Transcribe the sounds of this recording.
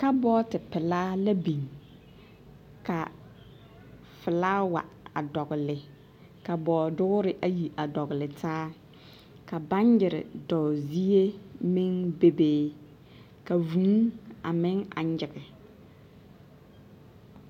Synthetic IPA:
ka˦bɔː˦tɪ˨pɪ˨laː˦la˦bi˨ŋ | ka˨ | fɪ˨laː˦wa̰˨a˨dɔ˨ɣʊ˨lɪ˨ | ka˨bɔː˨dʊ˦ʊ˦ɾɪ˦ʔa˦ji˨ʔa˨dɔ˨ɣʊ˨lɪ˨tʰaː˦ | ka˨ba˦ɲjɪ˨ɾɪ̰˨dɔ˨zi˦e˦mɪ˦ŋbe˦beː˦ | ka˨vu˨˦a̰˨mɪ˦ŋa̰˨ɲd͡ʒɪ˨ɣɪ˨

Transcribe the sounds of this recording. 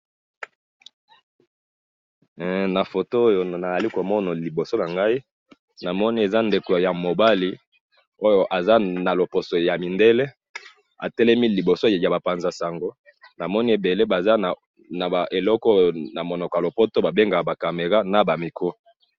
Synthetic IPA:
na˨fo˨to˦o˦jo˨na˨za˨li˦ko˨mɔ˦na˨li˨bo˨so˦la˨ŋɡa˦i˦ | na˨mɔ˦ni˦e˨za˦nde˨kja˨mo˨ba˦li˦ | o˦jo˨ʔa˨za˦na˨lo˨po˨so˨ja˨mi˨nde˦le˦ | a̰˨tɛ˦lɛ˦mi˦li˨bo˨so˦˨ja˨ba˨pa˨nza˨sa˨ŋɡo˦ | na˨mɔ˦ni˦e˨be˨le˦ba˨za˦na˨ | na˨a˨ʔe˨lɔ˦kɔ˦o˨na˨mo˨nɔ˨kɔ˨ja˨lo˨po˦to˦ba˨be˦ŋɡa˨ba˨ka˨me˨ʁa˦na˨ba˨mi˨kʰo˦

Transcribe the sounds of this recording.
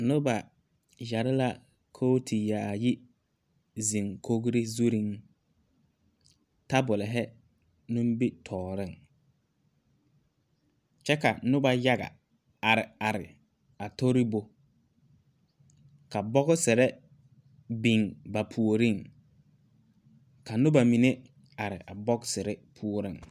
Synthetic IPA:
nʊ˦ba˨ | ja˨ɾɪ˦la˦ | kʰo˦tʰi˨ja˨jɪ˦ | zi˨ŋkʰo˦ɡɾi˦zu˦ɾi˦ŋ | ta˦bʊ˨lɪ˨ɦɛ˦ | nʊ̃˦m˦bi˦tʰɔː˨ɾɪ˦˨ŋ | t͡ʃɛ˦ka˨˦nʊ˦ba˨ja˦ɣa̰˨ | a˨ɾɪ˨a˨ɾɪ̰˨ | a˨to˦ɾi˦bo˨ | ka˨bɔ˦ɣʊ˦sɪ˨ɾɛ˦ | bi˨ŋba˨pʰu˨o˨ɾi˦˨ŋ | ka˨nʊ˦ba˨mi˨ne˦ | a˨ɾɪ˨ʔa˨bɔ˦ksɪ˨ɾɛ˦pʰu˦o˦ɾɪ˦˨ŋ

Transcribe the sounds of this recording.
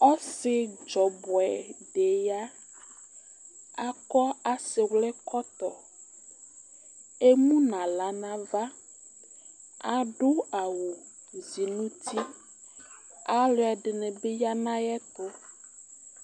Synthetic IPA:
ɔ˦sɪ˨d͡ʒɔ˨bɔ˨ɛ˨ɖe˨ja˦ | a˦kɔ˦a˨se˨wlɛ˦kɔ˦t̪ɔ˨ | e˦mũ˦nã˨la˨nã˦va˦ | a˨ɖo˦a˨wo˨bu˨zi˨nũ˦t̪ʰi˦ | a˨lo˨˦ɛ˨ɖe˨nɛ̃˨be˦ja˦nã˦jɛ˦t̪o˦

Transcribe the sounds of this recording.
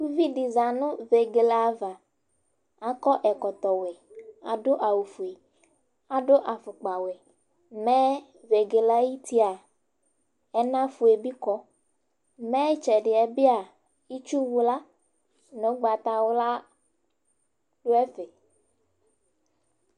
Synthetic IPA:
ku˦vi˦ɖi˨za˨nʊ̃˦ve˨ɡe˨la˨va˨ | a˨kɔ˦ʔɛ˨kɔ˨t̪ɔ˨we˨a̰˨ɖo˦ʔa˨wu˨fu˨e˨ | a˨ɖo˦ʔa˨fʊ˨k͡pa˨we˨ | mɛ˦ | ve˨ɡe˨la˦ji˦t̪i˦a˨ | ɛ˦nã˦fu˨e˨bi˦kɔ˦ | mɛ̃˦t͡ʃɛ˨ɖɪ˨ɛ˨bi˦a˨ | i˦t͡ʃu˦wu˦la˦ | nõ˦ɡ͡ba˨t̪a˨wo˦la˦ | ɖo˦ɛ˦fe˨

